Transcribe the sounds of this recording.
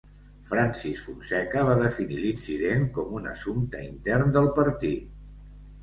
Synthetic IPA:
fɾansisfunsɛkəβ̞aðəfinilinsiðeŋkɔmunə̰sumt̪əint̪ɛrnd̪əlˠpəɾt̪it̪

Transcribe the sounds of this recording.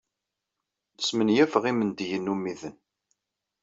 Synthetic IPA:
ðəsmənjæfəʁimənd̪jənːumːiðən

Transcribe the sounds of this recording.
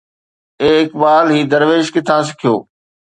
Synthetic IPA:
eːɪkbaːlɦiːd̪əɾʋeːʃkɪt̪ʰãːs̬ɪ̥kʰijoː

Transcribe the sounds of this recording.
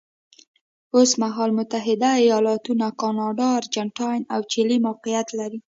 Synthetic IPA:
osmaɦɑlmʊt̪aɦɪd̪aijɑlɑt̪unakɑnɑɖɑɾd͡ʒaɳʈɑjnawt͡ʃelimawqijat̪laɾi

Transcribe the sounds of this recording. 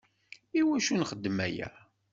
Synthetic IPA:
iwæʃunχəd̪ːəmæjæ̰

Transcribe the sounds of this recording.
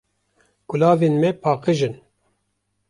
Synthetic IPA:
ɡ̥ʊlɑːveːnmɛpʰɑːqɨʒɨn

